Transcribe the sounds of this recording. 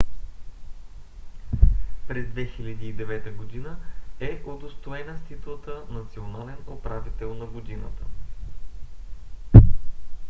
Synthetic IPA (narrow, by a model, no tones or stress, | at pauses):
pɾɛzd̪vɛxilʲəd̪iːd̪ɛvɛt̪əɡod̪inəɛʔod̪ost̪oɛnəst̪it̪lˠət̪ənɐt̪sionalɛnopɾavit̪ɛlˠnɐɡod̪inət̪ə